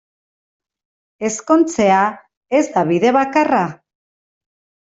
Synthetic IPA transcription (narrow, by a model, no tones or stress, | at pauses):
e̞sko̞nt͡se̞a | e̞zd̪aβiðe̞βakara